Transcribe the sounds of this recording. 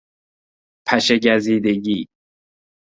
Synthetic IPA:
pʰæʃeɟæziːd̪eɟiː

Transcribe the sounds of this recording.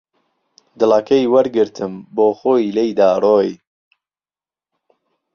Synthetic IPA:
d̪ɨlɑːkʰɐjwɐɾɡɨɾt̪ʰɨmboːxoːjlejd̪aːroːj

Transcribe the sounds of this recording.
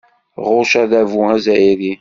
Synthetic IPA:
ʁʊʃæðævuæzæjiɾi

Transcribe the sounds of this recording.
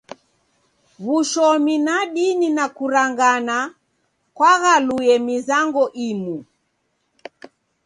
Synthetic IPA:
βuʃɔminaɗininakuɾaŋɡana | kwaɣalujɛmizaŋɡɔʔimu

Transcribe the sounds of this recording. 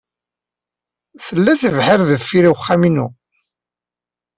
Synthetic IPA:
θəlːæθəvħɪɾðəfːiɾiwəχːæminu

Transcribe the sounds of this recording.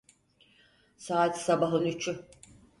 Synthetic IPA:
saːt̪sabaɦɯnyt͡ʃʰy

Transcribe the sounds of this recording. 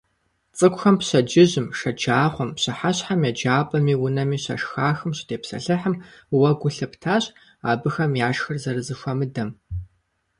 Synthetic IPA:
t͡sʼɨkʷʊxɐmpɕɐd͡ʒɪʑɪmʂɐd͡ʒaːχʷɔmpɕɐħaɕħamjɛd͡ʒaːpʼɐmiːwʊnɐmiːɕɐ̰ʂxaːxɨmɕɪdeːpsɐ̰ɬɨħəmwɐɡʷʊɬɐptʰaːɕ | aːbɨxɐmjaːʂxɨrzɐrɨzɨʃʷɐmɨdɐm

